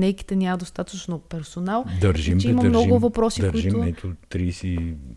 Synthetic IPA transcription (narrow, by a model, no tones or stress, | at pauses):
nɛjki̥t̪ɛnʲaməd̪ost̪at̪ət͡ʃnopɛɾsonalˠd̪ɐɾʒimt͡ʃiimɐmnɔɡʊmvɐpɾɔsi̥d̪əɾʊiʒitmʊnɛt̪ʊt̪ɾisi